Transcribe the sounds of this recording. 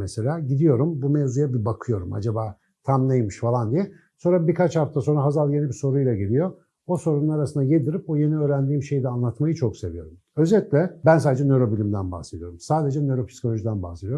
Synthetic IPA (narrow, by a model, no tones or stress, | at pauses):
meselʲaːɟid̪ijo̞ɾumbumevzujabibakʰɯjo̞ɾuma̰d͡ʒabaː | t̪ʰamnejmɯʃfalˠand̪ijɛ | so̞nɾabikʰat͡ʃhaft̪ʰaso̞nɾaɦazalˠje̞nibiso̞ɾujlˠaɟelʲijo̞ | oso̞ɾunˠaɾasɯnd̪ajed̪ɯɾip̚oje̞niø̞ːɾænd̪iːmʃe̞jid̪ɛanlˠat̪majɯt͡ʃʰo̞kse̞vijo̞ɾum | øzelʲik̪lʲɛbænsaːd̪ed͡ʒɛnø̞ɾo̞bilʲimd̪ænba̰hse̞d̪ijo̞ɾumsaːd̪e̞d͡ʒɛnø̞ɾo̞pʰi̥sikʰo̞lʲo̞ʒid̪ænba̰hse̞d̪ijoɾm